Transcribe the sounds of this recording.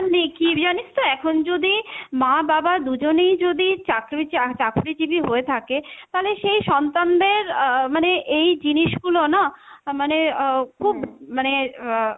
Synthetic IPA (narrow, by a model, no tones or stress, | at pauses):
nekid͡ʑanit͡ɕt̪oɛkʰond͡ʑod̪imababad̪ud͡ʑonejd͡ʑod̪it͡ɕakɾiat͡ɕakuɾid͡ʑibiɦoet̪ʰaket̪aleʃejʃɔnt̪and̪eɾmaneʔejd͡ʑiniʃɡulonamanekʰubmane